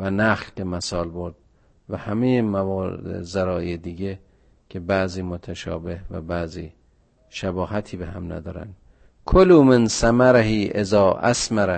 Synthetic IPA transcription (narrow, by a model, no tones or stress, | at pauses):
vænæxlbemæsɒːlboɾd̪̥̚ | væhæmejemævɒ̰ːzæɾɒːʔejed̪iːɟe | kʰebæziːmot̪ʰæʃɒ̰ːbehvæ̰bæziː | ʃæbɒːɦæt̪ʰiːbeɦæmnæ̰d̪ɒ̰ːɾæ̰nd̪ | kʰoluːmensæmæɾehiːʔezɒːʔæ̰smæɾæ